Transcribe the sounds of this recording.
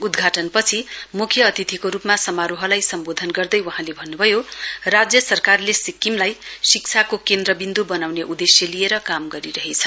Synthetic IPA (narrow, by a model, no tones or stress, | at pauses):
ud̪ɡʱaʈʌnpʌt͡sʰimukʰjʌːt̪it̪ʰikoɾupmasʌmaɾoɦʌlajsʌmbod̪ʱʌnɡʌrd̪ʌjwʌɦãlebʱʌnːubʱʌjorad͡zjʌsʌrkarlesikːimlajsik̚t͡sʰakokend̪ɾʌbind̪ubʌnawneʔud̪esjʌlieɾʌkamɡʌɾiɾʌɦet͡sʰʌ